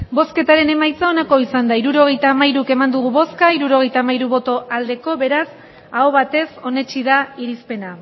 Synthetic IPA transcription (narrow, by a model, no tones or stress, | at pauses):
bo̞ske̞t̪aɾe̞ne̞majt͡sao̞nako̞isand̪aiɾuɾo̞ɣ̞e̞jt̪aːmajɾuke̞mand̪uɣuβo̞skaiɾuɾo̞ɣ̞e̞jt̪aːmajɾuβo̞t̪o̞ʔald̪e̞ko̞βe̞ɾas | aoβ̞at̪e̞so̞ne̞t͡ʃið̞aiɾispe̞na